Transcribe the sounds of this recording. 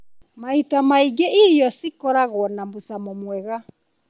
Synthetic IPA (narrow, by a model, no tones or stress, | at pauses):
maitamaiɡeijɔsikɔɾaɣwɔnambusamɔmwɛɣa